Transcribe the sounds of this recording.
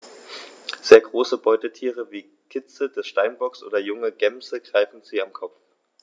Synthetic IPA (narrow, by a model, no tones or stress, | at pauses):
z̥eːɐɡʁoːsəbɔʏtətʰiːʁəviː | kʰɪt͡səd̥ɛsʃtaɪnbɔksʔo̰ːdɐjʊŋəɡ̥ɛmzəɡ̥ʁ̥aɪfn̩ziːamkʰɔpp͡f